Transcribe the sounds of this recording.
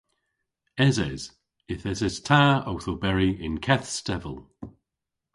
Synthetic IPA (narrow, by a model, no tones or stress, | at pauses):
ɛzɛz̥ | ɪθɛzɛz̥tʰaːowθobɛɹiɪ̃nkʰɛθstɛvə̰lˠ